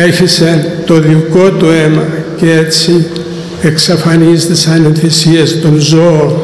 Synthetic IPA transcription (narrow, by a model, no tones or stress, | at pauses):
eçiset̪o̞ðiko̞t̪ue̞mɐcee̞t͡si | eksɐfɐnizt̪esɐnenθisiɐst̪o̞nzoon